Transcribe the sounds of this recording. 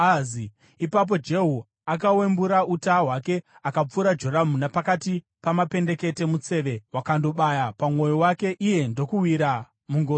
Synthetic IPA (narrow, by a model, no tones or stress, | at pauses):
azi | ipap̬o̞d͡ʒe̞ɦu | ak̬awe̞mbuɾautaɦwake̞ | akap͡fuɾad͡ʒo̞ɾamunapakati | pamape̞nde̞ke̞te̞mut͡se̞ʋe̞wakando̞ɓajapamo̞jiwake̞ʔije̞ndo̞kuwiɾa | muŋɡor